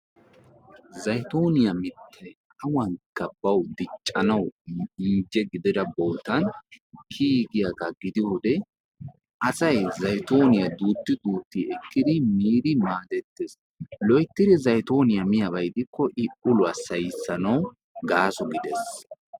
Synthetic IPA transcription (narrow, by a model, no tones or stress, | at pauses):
zɐjt̪o̞ːnɪjɐmɪt̪ʰːɛ | ɐwɐŋkːɐbɐwd̪ɪt͡ʃʼːɐnɐwɪnd͡ʒɛɡɪd̪ɪd̪ɐboːt̪ɐnkʰiːɡɪjakɐɡɪd̪ɪhɔd̪ɛ | ʔɐsɐjzɐjt̪o̞ːnɪjɐd̪uːt̪ːɪd̪uːt̪ːiɛkːɪd̪ɪmiːd̪ɪmaːd̪ɛt̪ːes | lɔjt̪ːɪd̪ɪzɐjt̪o̞ːnɪjɐmɪjɐbɐjd̪ɪkːɔʔɪʔʊlʊɐsɐjɪsːɐnɐw | ɡaːsɔɡɪd̪ɛs